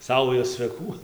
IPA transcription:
ˈsɐʊjoːs t͡sʲʋʲɛˈkuː

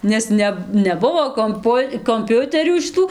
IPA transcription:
nʲɛs ˈnʲɛ nʲɛˈbʊʋoː koːmˈpʊ koːmʲˈpʲʊtʲɛrʲuː ʃʲɪˈtuː

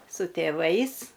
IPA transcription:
sʊ tʲeːˈʋɐɪs

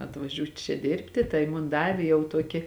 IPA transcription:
ɐtʋɐˈʒʲuːtʲ t͡ʃʲɛ ˈdʲɪrʲpʲtʲɪ ˈtɐɪ mʊn ˈdɑːʋʲeː jɛʊ ˈtuɔkʲɪ

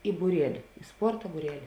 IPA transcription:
ɪ buːˈrʲiɛlʲɪ ɪ ˈspoːrtɐ buːˈrʲæːlʲɪ

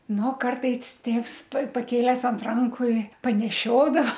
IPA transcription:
ˈnʊ ˈkɐrtɐɪs ˈtʲeːws pɐ pɐˈkʲeːlʲæːs ɐnt ˈrɐŋkʊ ɪ pɐnʲɛˈʃʲoːdɐʋɐ

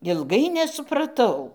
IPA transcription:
ɪlˠˈɡɐɪ nʲɛsʊprɐˈtɐʊ

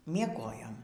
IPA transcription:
mʲiɛˈɡoːjoːm

